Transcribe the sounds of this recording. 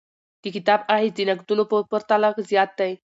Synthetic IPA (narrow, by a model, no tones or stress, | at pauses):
t̪ikit̪abaɦid͡zinək̚t̪ulopəpəɾt̪alakzjat̪ːəj